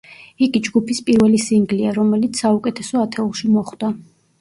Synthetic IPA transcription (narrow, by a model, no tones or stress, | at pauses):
iɡid͡ʒɡupʰispʼiɾvɛlisiŋɡliaɾɔmɛlit̪sʰsaukʼɛt̪ʰɛsɔat̪ʰɛulˠʃimɔχd̪̥a